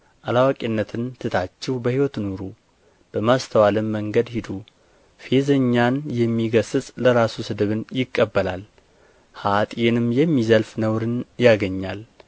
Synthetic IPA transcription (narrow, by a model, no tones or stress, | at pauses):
ʔalawakʼinːət̪ʰɨnt̪ʰɨt̪ʰat͡ʃːɛwbəhiwɔt̪nuɾu | b̥əmast̪ʰəwalɨmːəŋɡəd̪hid̪u | fe̞zəɲːanjɛmːiɡəsɨsʼləɾasusɨd̪ɨβɨnjɪkʼːəbːəlal | hat̪ʼjenɨmjɛmːizəlfnəwɾɨnjaɡəɲːal